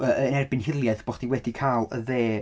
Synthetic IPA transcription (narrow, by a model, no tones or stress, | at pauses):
əənɛrbɪnhɪlˠjɛðb̥oχd̥iwɛdikʰaːlˠə̰ðeː